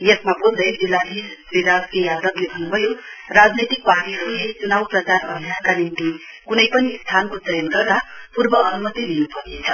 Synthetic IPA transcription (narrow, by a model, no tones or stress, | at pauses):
jʌk̪mabold̪ʌjd͡zilːaɦisɾiɾazkejad̪ʌklebʱʌnːubʱʌjorad͡znet̪ik̚paʈiʌɾuɦet͡sunawprʌt͡saɾʌ̰bʱijankanint̪i | kunʌjpʌnist̪ʰankotʌjʌnɡʌrd̪apurbʌːnumʌt̪id̪inupʌrnet͡sʰʌ